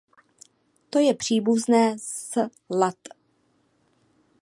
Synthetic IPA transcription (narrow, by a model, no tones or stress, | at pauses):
t̪o̞jɛpr̝̥iːbuznɛːs | lat̪